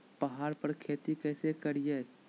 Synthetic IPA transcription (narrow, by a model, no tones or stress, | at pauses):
pɐɦaːɾpəɾkʰeːt̪ikɛːsekɐɾijeː